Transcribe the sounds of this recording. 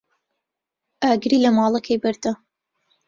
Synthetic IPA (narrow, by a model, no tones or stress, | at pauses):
ʔaːɡɾiːlɐmɑːlˠɐkʰɐjbɐɾd̪ɐ